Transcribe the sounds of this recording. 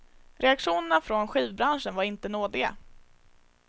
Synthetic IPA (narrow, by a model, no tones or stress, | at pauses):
ɾʔɛakʂuːnəɳafɾɔnɧiːvbɾanʂənvaɾɪnt̪ənoːd̪ɪɡa̰